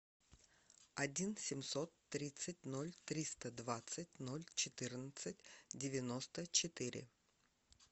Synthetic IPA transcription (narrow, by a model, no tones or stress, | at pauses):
ɐdʲinsʲɪmsot̪ːɾʲit̪sɨt̚ʲno̞lʲt̪ɾʲist̪əd̪vat̪sɨt̚ʲnolʲt͡ɕɪt̪ɨrnət̪sɨtʲdʲɪvʲɪno̞st̪ət͡ɕɪt̪ɨɾʲɪ̰